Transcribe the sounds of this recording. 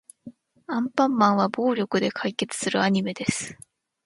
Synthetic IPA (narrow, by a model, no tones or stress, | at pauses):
ãmpãmːãɰ̃βabo̞ːɾʲo̞kɯ̟d̪e̞kʰaike̞t͡sɨ̥sɨɾɯ̟aɲ̟ime̞d̪e̞sɨ̥